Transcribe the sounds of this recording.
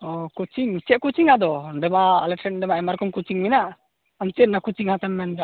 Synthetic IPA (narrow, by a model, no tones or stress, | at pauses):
ɔkut͡ʃiŋit͡ʃɛʔ̚kut͡ʃiŋad̪ɔɖɛmaːlɛʈɾɛn̚ɖɛmaɛmaɾkɔmkut͡ʃiŋminaʔ | amt͡ʃɛʔnakut͡ʃiŋhat̪ɛmːɛnd͡ʒa